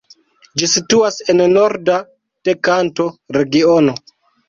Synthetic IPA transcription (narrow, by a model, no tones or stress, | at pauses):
d͡ʒisituase̞nno̞ɾda | te̞kanto̞ɾe̞ɡiono̞